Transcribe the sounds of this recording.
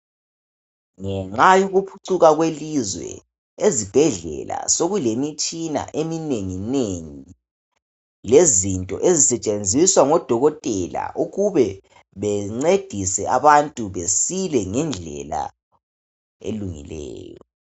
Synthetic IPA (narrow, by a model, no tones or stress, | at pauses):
ŋɛŋ͡ǀajuɣupʰuǀuɣaɣwelizwɛ̰ | ezib̥ʱɛɮɛ̰la̰soɣulemit͡ʃʼina̰ʔemineŋineŋi | lezintʼɔ̰ʔezisɛt͡ʃʼend͡zʱiswaŋɔd̥ʱɔɣɔtʼɛla̰ʔuɣuβɛ | βɛŋ͡ǀed̥ʱisɛa̰βantʼuβesilɛŋɛnd͡ɮʱɛ̰la̰ | ḛluŋḭlɛ̰ːjɔ